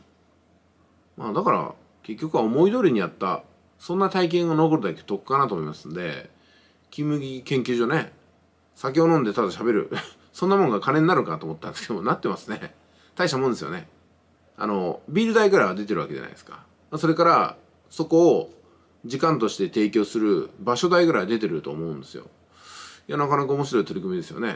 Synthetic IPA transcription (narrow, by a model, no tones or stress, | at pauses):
maːd̪akaɾa̰ | ke̞kʲːo̞kɯ̟βaomo̞id̪o̞ɾʲiɲ̟ijat̪ːa | sõ̞nːat̪aik̬ẽ̞ɰ̃ono̞ko̞ɾɯ̟d̪ake̥t̪o̞kɯ̥kanat̪omoimasɨ̃nod̪e̞̰ | kʲimɯ̟ɡʲikẽ̞ŋkʲɨːʑoːne̞ | sak̬ʲio̞nõ̞nd̪e̞t̪ad̪aɕabe̞ɾɯ̟̰ | sõ̞nːamõ̞ŋɡakʰanẽ̞ɲːaɾɯ̟kat̪oːmot̪ːakkʰemonat̪ːemasɨne̞ | t̪aiɕamõnd̪esɨjo̞̰ne̞ | a̰no̞bʲiːɾɯ̟d̪aiɡɯɾaβad̪e̞t̪̬e̞ɾɯ̟βake̞ʑa̰na̰id̪e̞ska̰ | maso̞ɾe̞kaɾa | so̞ko̞ː | d͡ʑikãnt̪o̞ɕi̥t̪e̞t̪e̞ːkʲo̞ːsɨɾɯ̟baɕo̞d̪aiɡɯ̟ɾad̪e̞t̪e̞ɾɯ̟t̪o̞̰ːmo̞ɯ̃nd̪e̞sɨjo̞̰ | janakanakaomo̞ɕ̬iɾo̞it̪o̞ɾʲikɯ̟mʲid̪e̞sɨjo̞̰ne̞̰